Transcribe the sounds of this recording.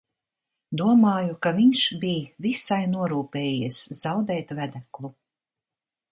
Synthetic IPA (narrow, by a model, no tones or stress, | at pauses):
d̪uɔmaːjukaviɲʃbiːvisajnuɔɾuːpɛːjɛszawd̪ɛːt̪væd̪æklˠu